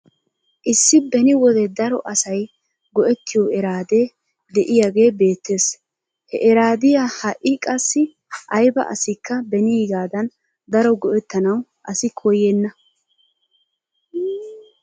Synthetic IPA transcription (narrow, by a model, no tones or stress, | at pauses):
ʔɪsːɪbɛnɪwɔd̪ɛd̪ɐɾɔ̰ʔɐsɐj | ɡɔʔɛt̪ːɪjɔɛɾaːd̪e̞ː | d̪ɛʔɪjaɡe̞ːbe̞ːt̪ʰːe̞ːs | hɛʔɛɾaːd̪ɪjahɐʔʔɪkʼɐsːɪ | ʔɐjbɐ̰ʔɐ̰sɪkːɐbɛnɪjɛɡaːd̪ɐn | d̪ɐɾɔɡɔʔɛt̪ːɐnɐwʔɐsɪkʰɔjenːɐ